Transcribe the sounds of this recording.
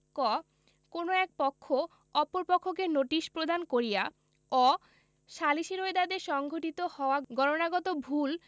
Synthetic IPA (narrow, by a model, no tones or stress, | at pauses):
kɔ | konoɛk̚pɔkʰːo | ɔpoɾpɔkʰːokenoʈiʃpɾod̪ʱankoɾija | ɔ | ʃaliʃiɾoed̪ad̪eʃɔŋɡʱoʈit̪ohɔoaɡɔɾonaɡɔt̪obʱul